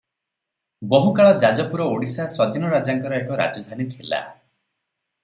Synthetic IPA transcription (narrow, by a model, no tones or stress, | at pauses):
boɦukaɭɔd͡ʒad͡ʒɔpuɾɔoɽisaswɔd̪inɔɾad͡ʒaŋkɔɾɔekɔɾa̰d͡ʒɔd̪ʱanit̪ʰila̰